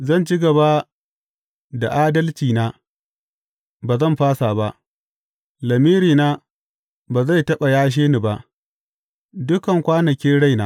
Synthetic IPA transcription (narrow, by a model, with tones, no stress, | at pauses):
zɐ˦˨nt͡ʃɪ˦ɡɐ˨ba˦ | da˨ʔaː˦dɐ˦lt͡ʃiː˨naː˦ | baː˨zɐ˦mɸaː˦saː˨ba˦ʔ | lɐ˨miː˦ɾiː˨naː˦ | baː˨za˦˨jtɐ˦ɓa˨jaː˦ʃ̬eː˦ni˨ba˦ʔ | dʊ˦kɐ˨ŋkʷaː˦nɐ˨kʲeː˦ɽa˦jnaː˦